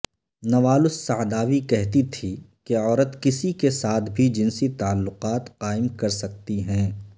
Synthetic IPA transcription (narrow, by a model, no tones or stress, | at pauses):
nɐʋaːlʊsːaːd̪aːʋikɛɦt̪it̪ʰikeɔːɾət̪kɪsikesaːt̪ʰbʱid͡ʒɪnsit̪aːlːʊqaːt̪qaːɪmkɐɾsɐk̚t̪iɦɛ̃ː